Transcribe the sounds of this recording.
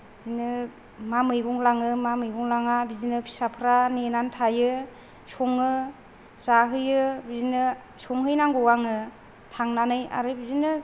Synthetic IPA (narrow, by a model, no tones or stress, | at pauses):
bizinɯ | mamɯjɡuŋlaŋɯmamɯjɡuŋlaŋabizinɯpʰi̥sapʰɯɾanenantʰajɯ | sɔŋɯ | zaɦɯjɯbizinɯ | sɔŋɦɯjnaŋɡuwaŋɯ | tʰaŋnanɯja̰ɾɯbizinɯ